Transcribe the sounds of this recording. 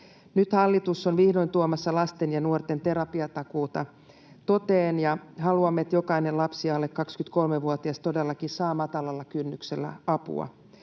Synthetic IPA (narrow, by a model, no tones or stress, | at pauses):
nyt̪hɑlːit̪usːonʋihdoint̪uomɑsːɑlɑst̪enjɑnuort̪ent̪e̞ɾɑpiɑt̪ɑkuːt̪ɑ | t̪ot̪eːnjɑɦɑluɑmːeet̪jokɑinellɑpsiɑlːekkɑkskyt̪kolmeʋuot̪iɑst̪odelːɑkisɑːmɑt̪ɑlɑlːɑkynːykselːæ̰ɑpṵɑ̰